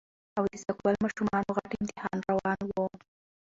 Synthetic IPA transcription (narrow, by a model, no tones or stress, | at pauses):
awd̪əzakbalmɑʃumɑnoɣaʈɪnt̪ɪhɑnɾawɑnwo